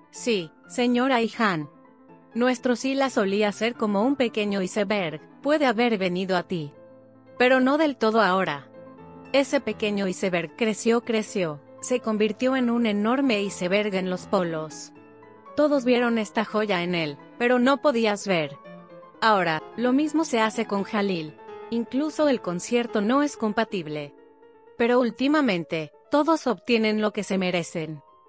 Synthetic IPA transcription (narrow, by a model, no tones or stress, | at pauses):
si | se̞ɲo̞ɾaixanː | we̞st̪ɾo̞silaso̞liase̞ɾko̞mo̞umpe̞ke̞ɲo̞ise̞βeɾɣpwe̞ðe̞aβe̞ɾβe̞niðoat̪i | pe̞ɾo̞no̞ðe̞lt̪o̞ð̞o̞ao̞ɾa | e̞se̞pe̞ke̞ɲo̞ise̞βe̞ɾɣkɾe̞sjo̞kɾe̞sjo̞ | se̞ko̞mbiɾt̪jo̞e̞nune̞no̞ɾme̞ise̞βe̞ɾɣenlo̞spo̞lo̞s | t̪o̞ðo̞zβje̞ɾo̞ne̞st̪axo̞ʝaene̞l | pe̞ɾo̞no̞po̞ðiazβe̞ɾ | ao̞ɾalo̞mizmo̞se̞ase̞ko̞nxaliliŋkluso̞e̞lko̞nsje̞ɾt̪o̞no̞e̞sko̞mpat̪iβle̞ | pe̞ɾo̞ult̪imamẽ̞nt̪e̞t̪o̞ðo̞so̞βt̪je̞nẽ̞nlo̞ke̞se̞me̞ɾe̞se̞n